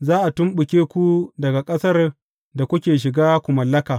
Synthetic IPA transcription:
zaː˦ʔa˨tʊ˦mɓʊ˨kʲeː˦kʷu˦dɐ˨ɡa˨kʼɐ˦sɐ˦r | da˨kʷʊ˦kʲeː˨ʃ̬ɪ˨ɡaː˦kʷu˨mɐ˨lːɐ˦kaː˨

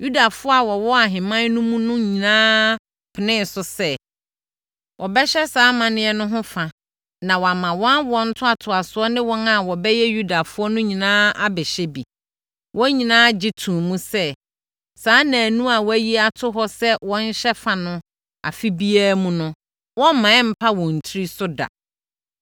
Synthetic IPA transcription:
ju˦da˨fʊ˦ɔ˦a˨wɔ˨wɔ˦a˨ɦɪ̃˨mã˦n˦nũ˦mũ˦nʊ̃˦ɲĩ˨nãː˦ | pʰɪ˨nɪ̃˦n˨sʊ˦sɛ˦ | wʔɔ˨bɛ˦ɕɛ˦saː˨˦mã˨nɪ̃˦ɛ˦nʊ̃˦ɦʊ̃˦fa˨ | nã˨wɔ˨a˨mã˨wɔ̃˦nwɔ̃˦n̩˦tʰʊ˦a˨tʰʊ˨a˨sʊ˨˦ɔ˦nɪ̃˦wɔ̃˦na˨wɔ˨bɛ˦jɛ˦ju˦da˨fʊ˦ɔ˦nʊ̃˦ɲĩ˨nãː˦a˦bɪ˨ɕɛ˦bḭ˨ | wʔɔ̃˦ɲĩ˨nãː˦d͡ʑɪ˦tʰũ˨mũ˦sɛ˦ | saː˦nã˨nũ˦a˨wɔ˦æ˦ji˦a˨tʰʊ˦ɦɔ˦sɛ˦wɔ̃˦n˦ɕɛ˦fa˨nʊ̃˦ | a̰˨fi˦bi˦aː˦mũ˦nʊ̃˦ | wɔ̃˦m˦mã˨ɛ˦m̩˨pʰa˦wɔ̃˨n̩˨tʰɾi˦sʊ˦da̰˨

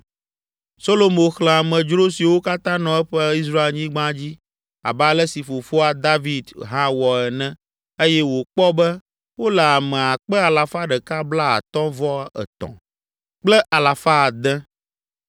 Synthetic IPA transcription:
so˦lo˦mõ˨xlɛ̃˨a˨mɛ̃˨d͡ʒɾo˦si˨wo˦ka˦t̪ã˦nɔ̃˨ɛ˦ɸɛ˦i˦s̬ɾa˦e˨lɲĩ˦ɡ͡bã˦d͡ʑi˦ | a̰˨ba˦lɛ˦si˨fo˨fo˦a˦d̪a˦vi˨d̪ɦã˦wɔ˨ɛ˨nɛ̃˦ | e˦jɛ˦wo˨k͡pɔ˦bɛ˦ | wo˦lɛ˨a˨mɛ̃˨a˨k͡pɛ˦a˨la˨fa˦ɖɛ˨ka˦bla˦a̰˨t̪ɔ̃˦vɔ˦ɛ̰˨t̪ɔ̰̃˨ | k͡plɛ˦ʔa˨la˨fa˦˨d̪ɛ̃˦

